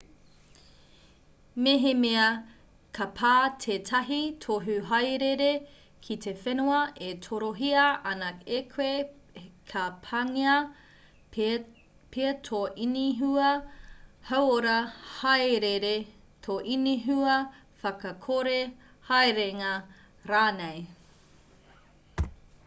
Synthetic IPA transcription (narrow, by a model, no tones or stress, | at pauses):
meɦemeɐ | kʰɐpʰaːtʰeːtʰɐɦitʰoɦʉɦɐjɾeɾe | kʰitefenuɐʔetʰoɾoɦiɐʔɐnɐekʰwe | kʰɐpʰɐŋeɐ | pʰetʰoʔiniɦuɐ | hɐwoɾɐhɐjɾeɾe | tʰoʔiniɦuɐ | fɐkɐkʰoɾe | hɐjɾeŋɐ | ɾaːnej